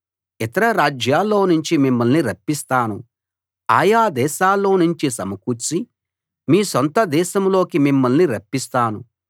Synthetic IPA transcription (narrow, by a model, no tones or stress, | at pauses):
it̪ɐɾɐɾaːd͡ʒjaːlːo̞ːnuɲt͡ʃimimːɐlniɾɐpːist̪aːnu | a̰ːjaːd̪ɛːʃaːlːo̞ːnuɲt͡ʃisɐmɐkut͡ʃːi | miːsont̪ɐd̪ɛːʃɐmlo̞ːkimimːɐlniɾɐpːist̪aːnu